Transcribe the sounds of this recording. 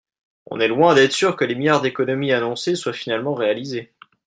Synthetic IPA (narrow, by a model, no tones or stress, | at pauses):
ɔ̰̃nɛlwɛ̃d̪ɛt̪χsyʁkəlemijaʁd̪ekɔnɔmianɔ̃seswafinalmɑ̃ʁealize